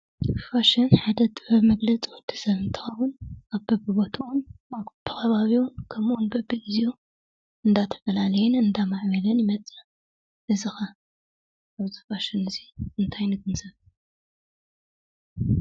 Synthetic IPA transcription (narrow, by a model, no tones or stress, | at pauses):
faʃɪnħad̪ɐt̪ʼɨħɨβmɐɡlɐt͡sʼiwɔd̪ʰɨ̥sɐβɨnt̪ʰɨ̥xɐwʊnaβbɐbɨbot̪ʰɐwʊnat̪ʰɐxʰɐβaβiwʊnkʰɐmunbɐbɨʔɨzijo | ɨnd̪at̪ʰɐ̥fɐlalɐjɛnɨnd̪amaʕβɐlɐnjɪmɐt͡sʼɐ | ʔɨzɨxɐ | ʔaβzɨ̥faʃɪnɨziɨnt̪ʰajnɨɡɨnzɐβ